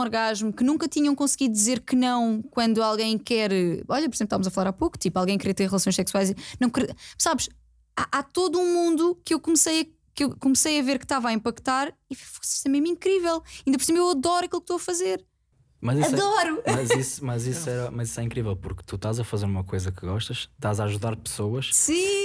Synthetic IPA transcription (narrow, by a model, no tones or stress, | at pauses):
ɔɾɣaʒmukɨnũŋkɐt̪iɲɐ̃w̃kõsɣiðud̪izeɾkɨnɐ̃w̃kwɐ̃nd̪ualˠɣɐ̃j̃kɛɾɔʎɐpɔɾizẽpʃt̪avmzɐfɐlˠaɾapoku̥t̪ipalˠɣɐ̃j̃kɾit̪eɾʁlˠɐsõj̃ʃsɛkswajzinɐ̃w̃kɾsaβʃ | aʔat̪oðuũmũnd̪ukewkumsɐjɐ | kewkumsɐjɐveɾkt̪avaĩmpɐkt̪aɾifo̥fo̥si̥sɛmeʒmĩŋkɾivɛlˠɐĩnd̪ɐpɔɾsĩmpewɐðɔɾɐkilˠk̚t̪oɐfɐzeɾ | mɐziɐððɔɾumɐzismɐzisɛɾɐmɐziswɛĩkɾivɛlˠpuɾkt̪uʃt̪azɐfɐzeɾumɐkojzɐkɨɣɔʃt̪ɐʃt̪azaʒuðaɾpɨ̥soɐʃsĩ